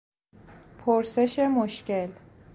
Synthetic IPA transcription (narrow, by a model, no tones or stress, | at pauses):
pʰoɾse̞ʃemoʃce̞l